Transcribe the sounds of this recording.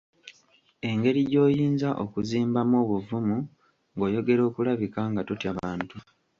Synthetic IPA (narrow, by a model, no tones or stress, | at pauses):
e̞ŋɡe̞ɾiɟo̞ːjiːnzaʔokuziːmbamoːβuvumu | ŋɡo̞ːjo̞ɡe̞ɾo̞ːkulaβikaŋɡatotjaβaːntu